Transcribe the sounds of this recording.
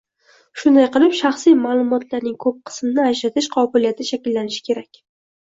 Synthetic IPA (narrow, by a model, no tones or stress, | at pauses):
ʃʊnd̪ajqɨlˠɪpʃaχsijmaːlˠʊmɒt̪ʰlaɾnɪŋkʰɵp̚qʰɨ̥smnɪad͡ʒɾat̪ʰɪʃqʰɒbɪlijat̪ʰɪʃakʲɪlːanɪʃɪ̥kʲʰe̞ɾakʲ